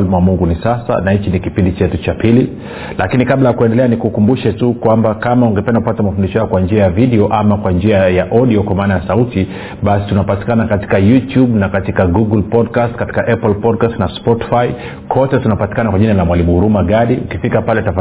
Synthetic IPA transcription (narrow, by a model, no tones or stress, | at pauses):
limwamuŋɡunisasa̰nahit͡ʃinikipindit͡ʃɛtut͡ʃapili | lakinikaɓlajakuɛndɛlɛanikukumbuʃɛtukwambakamauŋɡɛpɛndakupatamafundiʃɔhajɔkwand͡ʒiajaviɗiɔʔamakwand͡ʒiajaʔɔɗiɔkwamaːnajasauti | ɓasi̥tunapati̥kanakati̥kajutjuɓnakatikaɡuɡulpɔdkastkati̥kaʔɛplpɔdkastnaspɔti̥fai | kʰɔtɛtunapati̥kanakwaʄinalamwalimuhuɾumaɠaɗiʔukifikapalɛtafa